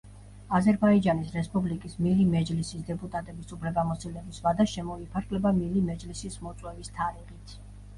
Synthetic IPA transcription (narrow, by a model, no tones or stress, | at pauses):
azɛɾbaid͡ʒanisɾɛspʼublikʼismilimɛd͡ʒlisisd̪ɛpʼut̪ʼat̪ʼɛbisupʰlɛbamɔsilɛbisvad̪aʃɛmɔipʰaɾɡʰʼlɛbamilimɛd͡ʒlisismɔt̪sʼwɛvist̪ʰaɾiʁit̪ʰ